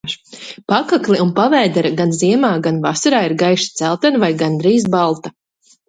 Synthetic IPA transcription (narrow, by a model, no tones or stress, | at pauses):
ʃpakakliunpavɛːd̪ɛɾaɡanziɛmaːɡanvasaɾaːiɾɡajʃi̥t̪sælˠt̪ɛnvajɡand̪ɾiːzbalˠt̪a